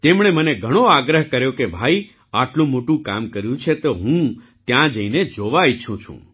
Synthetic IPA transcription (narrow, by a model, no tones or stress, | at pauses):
t̪emɽ̃eməneɡʱəɽ̃oaɡɾəɦkəɾjokebʱai | aʈlũmoʈũka̰mkəɾjũt͡ʃʰet̪oɦũ | t̪jãd͡ʒəined͡ʒoʋajt͡ʃʰũt͡ʃʰṵ̃